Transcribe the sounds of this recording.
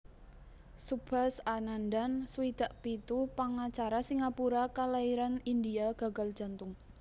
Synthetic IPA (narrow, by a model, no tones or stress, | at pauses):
sub̥a̤sanandanswid̪̥a̤ʔpit̪upaŋat͡ʃaɾasiŋapuɾakalaiɾanind̪iaɡ̥a̤ɡ̥a̤l̥ʒ̥a̤nt̪ʊŋ